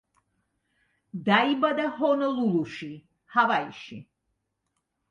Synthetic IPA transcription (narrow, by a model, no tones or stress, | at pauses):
d̪aibad̪aɦɔnəluluʃi | havaḭʃḭ